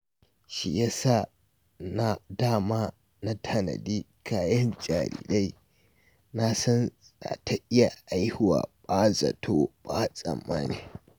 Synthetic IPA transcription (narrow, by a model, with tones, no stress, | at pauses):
ʃi˨ja˦sa˦ | na˦daː˦˨maː˦ | na˦tʰɐ˨nɐ̰˨diː˦ | kʰaː˦jɐ˦nd͡ʒʼaː˨ɾḭː˨ɗa˦j | na˦sɐ˦n | za˨tʰa˦ʔɪ˦ja˨ʔa˦jhɪ˦wa̰ː˨ɓaː˦zɐ̰˨tʰoː˦ɓ̥aː˦sʼɐ̰˨mːa̰ː˦ne˨